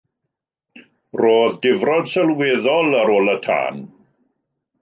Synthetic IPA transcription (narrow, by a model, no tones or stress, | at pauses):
roːðdɪvrɔd̥səlˠweːðɔlˠəɾoːlˠətʰa̰ːn